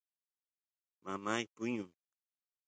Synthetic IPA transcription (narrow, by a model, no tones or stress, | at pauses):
mamajpuɲu